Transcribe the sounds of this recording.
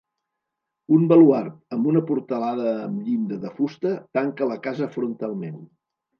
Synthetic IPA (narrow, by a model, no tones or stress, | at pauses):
umbəluaɾt̪̚əmbunəpuɾt̪əlaðəːmʎind̪əðəfust̪ət̪aŋkələkazəfɾunt̪alˠmen